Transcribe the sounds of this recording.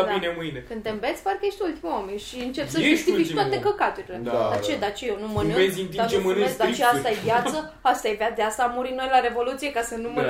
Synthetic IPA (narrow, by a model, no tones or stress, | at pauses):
d̪inemɨjnekɨnd̪t̪e̞mbet̪sʲpaɾkəje̞ʃt̪ʲult̪imuameʃiɨnt͡ʃepsəʒust̪iit͡ʃ̪at̪ekəkat̪uɾiledd̪at͡ʃed̪at͡ʃejenuməneezint̪id̪anesd̪at͡ʃeast̪ajevjat̪sə | ast̪ajevad̪east̪aːmːuɾimno̞jlaɾe̞vo̞lut̪sijekasənumə